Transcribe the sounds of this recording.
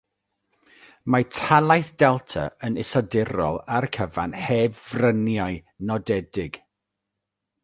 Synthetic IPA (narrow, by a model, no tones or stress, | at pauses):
matʰalˠajθd̥ɛlˠtʰa̰ənɪsɔdɪɾɔ̰lˠarkʰəva̰nhɛvvrənjaɨ | nɔdɛdɪɡ̥